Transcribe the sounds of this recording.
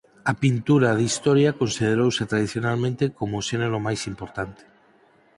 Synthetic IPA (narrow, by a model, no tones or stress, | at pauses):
ɐpint̪uɾaðist̪ɔɾjakonsiðeɾowsɪt̪ɾaðiθjonalmẽnt̪ekomoʃeneɾomajsimpoɾt̪ant̪ɪ̥